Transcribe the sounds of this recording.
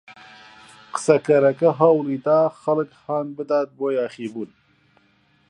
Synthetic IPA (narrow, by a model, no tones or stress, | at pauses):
qə̥sɐkɐɾɐkɐɦɐwliːt̪aːxɐlɨkhɑːnbɨd̪aːt̪̚boːjɑːxiːbuːn